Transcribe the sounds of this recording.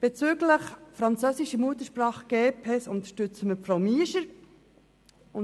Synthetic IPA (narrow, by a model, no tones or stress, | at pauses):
b̥et͡søːɡləχfɾɑnt͡søːsiʃəmuət̪əɾʃpɾɑːχɡ̥eːpʰɛsʊnt̪ə̥ʃtʏt͡səməfɾawmiːʃəɾ | ʊn